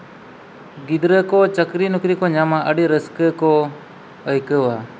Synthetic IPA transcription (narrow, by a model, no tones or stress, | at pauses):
ɡid̪ɾəkɔt͡ʃəkɾinukɾikɔɲamaʔəɖiɾəskəkɔ | əjkəwa